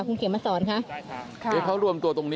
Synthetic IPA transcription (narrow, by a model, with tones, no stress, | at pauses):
kʰu˧ŋkʰeː˨˩˦maː˧sɔː˩˦nkʰa˦˥ʔʰ | ɤː˨˦˩kʰa˦˥wɾu˧əmt̪u˧ɐt̪o˧ŋniː˦